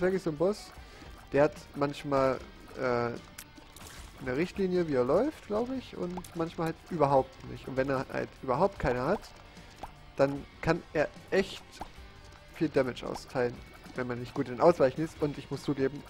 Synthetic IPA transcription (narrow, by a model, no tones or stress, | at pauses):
v̥ɪɐklɪçz̥oːnbʊs | d̥eːɐhatmançmaːl | ʔɛː | nəʁɪçtliːnjəviːeːɐlɔʏftɡ̥laʊbəɪçʔʊ̰ntmançmaːlhaltʔyːbɐɦaʊp̚tnɪ̰çtʔʊntv̥ɛneːɐha̰ltʔyːbɐɦaʊp̚t̚kʰaɪnɐhat | d̥ankʰanʔeːɐʔɛçt | fiːldɛmɪt͡ʃʔa̰ʊstʰaɪlən | vɛnmanːɪçt̚ɡ̥uːtɪndenʔaʊsv̥aɪçn̩ɪstʊntɪçmʊst͡suːɡeːbm̩